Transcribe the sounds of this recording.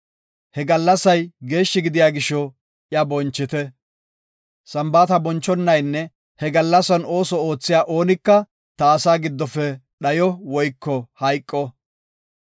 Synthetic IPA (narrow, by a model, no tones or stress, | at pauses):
hɛɡɐlːɐsɐjɡe̞ːʃːɪɡɪd̪ɪjaːɡɪʃɔ | ʔjɐbɔnt͡ʃːɪt̪ɛ | sɐmbaːt̪ɐbɔnt͡ʃːɔnːɐjnːɛ | hɛɡɐlːɐsɐno̞ːsɔo̞ːt͡sːɪjaːʔo̞ːnɪkːɐ | t̪ɐːsaːɡɪd̪ːɔfɛɗɐjɔwɔjkːɔhɐjkʼːɔ